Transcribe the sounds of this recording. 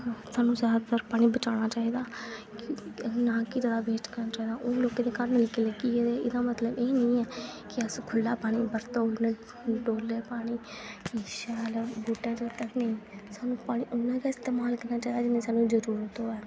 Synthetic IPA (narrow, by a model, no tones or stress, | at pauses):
saːnũːsaːt̪əɾpaːɽ̃ĩːbət͡ʃaːɽ̃aːt͡ʃaːiːd̪aːknaːkɪd͡ʒəd̪aːbeːt͡ʃkəɾnaːt͡ʃaːiːd̪aːʔoloːkẽːd̪eːkaːɾənmɪlkeːləɡiːed̪eːʔɪd̪aːmət̪ləbeːnəĩːɛːkɪəskʰʊlːaːpaːɽ̃iːbəɾt̪oonãː | ɖoːlːeːpaːɽ̃iː | kiʃaːlɛbuːʈːãːt͡ʃət̪ənəĩːsaːnũːpaːɽ̃iːʔʊnːãːkaːɪst̪eːmaːlkəɾnaːt͡ʃaːid̪aːd͡ʒɪnẽːsaːnːũːd͡ʒəɾuːɾət̪ɦoːɛː